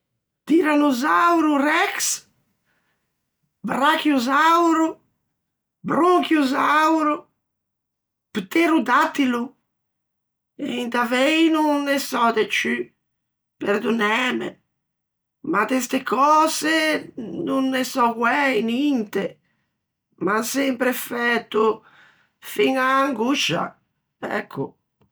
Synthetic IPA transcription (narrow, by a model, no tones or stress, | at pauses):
d̪̥iɾanuzawɾurɛks | bɾakjuzawɾu | bɾoŋkjuzawɾu | pt̪eɾud̪at̪ːilu | ḛint̪avejnunːɛsɔd̪et͡ʃy | peɾd̪unɛːmḛ | mat̪est̪ekɔːzenunːɛsɔkwɛjnint̪e | masɛmpɾefɛt̪ːu | fiŋaːŋɡuʃa̰ | ɛ̰kʰːu